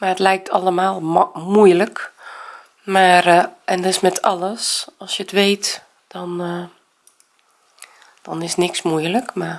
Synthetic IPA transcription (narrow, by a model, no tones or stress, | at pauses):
maətlɛjk̚tʰaləmaːlˠmujlək | marɛndɔɪsmɛtʰa̰ləsɔlˠsjətʋeːt | d̥ɔn | d̥ɔnɪsnɪksmujləkma